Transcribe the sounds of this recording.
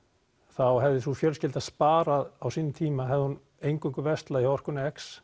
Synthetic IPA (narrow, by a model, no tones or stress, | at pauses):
θawɦɛvðɪθufjœlscɪlt̪aðspaːɾaðawsiːnːɪt̪ʰiːmaɦɛvðɪhun | ejŋkʏŋkʏvɛst̪laihɔr̥kʏnɛks